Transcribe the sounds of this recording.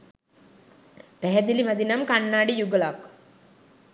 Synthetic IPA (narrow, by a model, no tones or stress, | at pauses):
pɛɦɛd̪ilimad̪inamkanːaːɖijuɡəlak